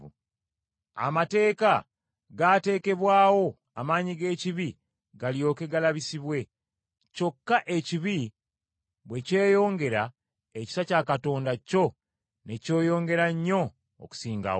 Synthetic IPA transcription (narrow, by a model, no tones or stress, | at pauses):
a̰mate̞ːka | ɡate̞ːke̞βwaːwo̞ | amaːɲiɡe̞ːciβi | ɡaljo̞ːke̞ɡalaβisiβwe̞ | co̞kːaʔe̞ciβi | βwe̞ce̞ːjo̞ːŋɡe̞ɾa | eci̥sacaːkato̞ːndaco̞ | ne̞co̞ːjo̞ːŋɡe̞ɾaɲːo̞̰ː | ku̥siːŋɡa̰